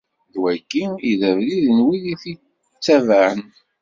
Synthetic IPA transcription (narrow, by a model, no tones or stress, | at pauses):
ðwækːiiðævliðənwiðiθi | t͡sːævaʕən